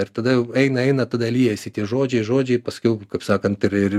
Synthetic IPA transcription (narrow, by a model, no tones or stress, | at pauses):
ɪrt̪ɐd̪ɐjɛʊɛɪnɐɛɪnɐt̪ɐd̪ɐlʲiːjɛsʲɪt̪ʲiɛʒoːd͡ʒʲɛɪʒoːd͡ʒʲɛɪpɐskʲɛʊkɐɪpsɑːkɐnt̪ɪɾɪr